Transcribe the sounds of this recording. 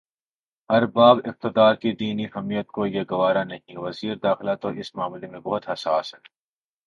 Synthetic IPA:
ɐɾbaːbɪf̚t̪ɪd̪aːɾkid̪iːniɦɐmijət̪̚kojeɡɐʋaːɾanɐɦĩʋɐziːɾd̪aːxɪlat̪oʔɪsmaːmlemẽbɐɦʊt̪ɦɐsaːsɦɛː

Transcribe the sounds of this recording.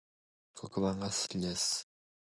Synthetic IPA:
kʰokɯβãŋɡasɨ̥kʲid̪es

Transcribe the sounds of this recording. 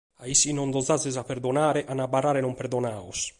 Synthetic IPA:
aisːinɔnd̪ɔzazɛzapːɛɾd̪ɔnaːɾɛʔanabːarːaːɾɛnɔmpɛɾd̪ɔnaːṵs

